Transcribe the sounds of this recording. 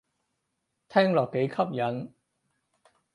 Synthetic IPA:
t̪ʰɛː˥ŋlɔː˨kːe˨˥jkʰɐ˥p̚jɐ˨˥n

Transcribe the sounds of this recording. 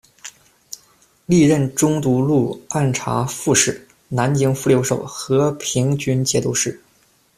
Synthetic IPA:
li˥˧ɻə˥˩nʈ͡ʂʊ˥ŋt̪u˧˥lu˥˧˩a˥˩nʈ͡ʂʰa̰˧˥fu˥˧ʂɻ̩˥˩ | na˧˥nt͡ɕi˧˥ŋfu˥˩ljo˧˥ʊʂo˨˩ʊxɤ˧˥pʰi˧˥ŋt͡ɕy˥nt͡ɕjɛ˧˥t̪u˧˥ʂɻ̩˥˩

